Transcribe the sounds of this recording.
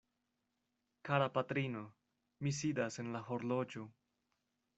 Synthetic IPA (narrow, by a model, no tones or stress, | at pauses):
kaɾapatɾino̞ | mis̬idase̞nlaɦo̞ɾlo̞d͡ʒo